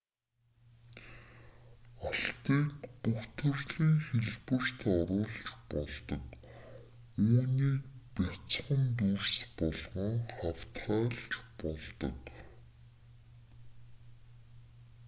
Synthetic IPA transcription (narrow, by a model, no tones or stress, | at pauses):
aɬt̪iːkpuxt̪ʰɘ̆rɮiːŋxeɮpɘ̆r̥t̪ʰɔɾʊːɮt͡ɕpɔɮt̪ə̆k | uːniːpat͡sχə̆nt̪̬urspɔɮʁɞ̆ŋχawt̪χaːɮt͡ɕpɔɮt̪ə̰̆k